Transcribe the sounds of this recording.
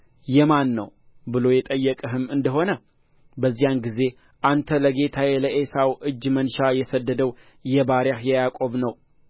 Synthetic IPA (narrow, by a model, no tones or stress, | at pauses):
jɛmanːə̰w | bɨlo̞jɛt̪ʼəjːɛkʼəɦɨmɨnd̪əɦo̞nə | bəzːijanɡize̞ | ʔant̪ʰələɡe̞t̪ʰajeləʔesawʔɨd͡ʒːmənʃajɛsəd̪ːəd̪əw | jɛbaɾjahjɛjakʼo̞βnəw